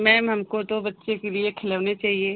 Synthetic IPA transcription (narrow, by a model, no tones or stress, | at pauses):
mɛ̃ːɦɐmkot̪obɐtːʃekeliekʰɪlaʋnet͡ʃaːɦie